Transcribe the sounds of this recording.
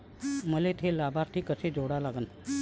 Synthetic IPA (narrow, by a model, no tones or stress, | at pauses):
məlet̪ʰelabaɾt̪ʰiːkəsed͡zoɽalaɡən